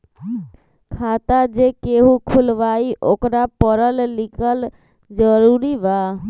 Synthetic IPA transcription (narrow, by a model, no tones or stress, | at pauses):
kʰat̪ad͡ʒekeɦũkʰulʋaiʔokɾapəɾəllikʰəl | d͡ʒəɾuɾiba